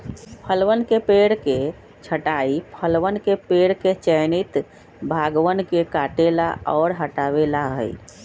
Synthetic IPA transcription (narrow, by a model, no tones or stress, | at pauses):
pʰəlwənkepeɽke | t͡ʃʰəʈaipʰəlʋənkepeɽket͡ʃəɪnit̪ | bʱaɡwənkekaʈela̰ɔːɾɦəʈaʋelaɦə̰i